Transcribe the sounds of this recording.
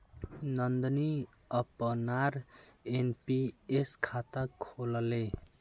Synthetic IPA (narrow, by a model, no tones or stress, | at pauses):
nʌnd̪ʌni | ʌpʌnaɾenpieskʰat̪akʰolʌle